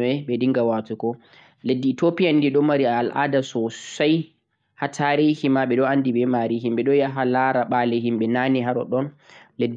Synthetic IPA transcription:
ɛɓɛdiŋɡawatukɔ | ledːiːtopijandiɗɔmaɾiaːlʔa̰ːdasɔsaj | hatʰaɾihimaɓɛɗɔandiɓɛmaɾiɦimɓɛɗɔjaɦalaɾaɓalɛɦimɓɛnaniɦaɾɔ̰ɗɔn | ledː

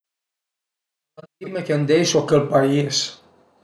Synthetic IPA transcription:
ɐnt̪imekend̪ejsokelpais

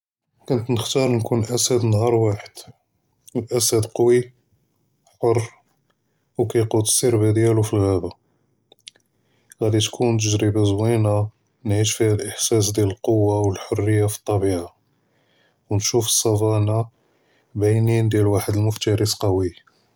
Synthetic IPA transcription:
kʊnt̪nəxt̪ɑɾˤnkunʔæsæd̪nhɑɾˤwaħəd̪̥ | əlʔæsæd̪qɑwi | ħorˤ | wkæjqut̪siɾbæd̪jælufilɣæba | ɣæd̪it̪kʰunt̪̬əʒɾibəzwina | nʕiʃfihælʔəħsæs̬d̪jæləlqowːawəlħorːəjːafi̥t̪ˤːɑbiʕa | wnʃufə̥sˤːɑfɑna | bajnind̪jælwaħəd̪əlmʊft̪æɾisqɑwi

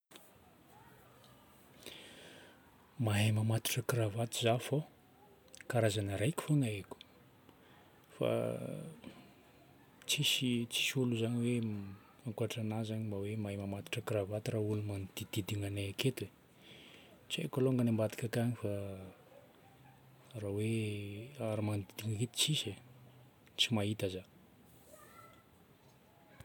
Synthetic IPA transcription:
maɦemamat̪u̥ʈ͡ʂəkiravat̪izafo | kaɾazanəɾajkʲi̥fonaekʲu̥ | fa̰ | t͡sisit͡si̥ʃuluzaɲiwe | aŋkuaʈ͡ʂanazaɲimbawemajmamat̪i̥ʈ͡ʂəkravat̪ɾaulumand̪̥id̪̥id̪iŋanaaket̪we | t͡siḛkoloŋɡanambad̪i̥kakaɲifa | rawe | aɾamand̪id̪iŋaket̪u̥t͡sise | t͡simait̪aza

